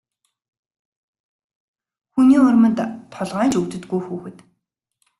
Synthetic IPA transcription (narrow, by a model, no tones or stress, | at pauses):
xuniːʊrmə̆nt̪t̪ʰɔɮʁaːnt͡ɕɵkt̪ɵ̆t̪ɡujxuːxɘ̆t̪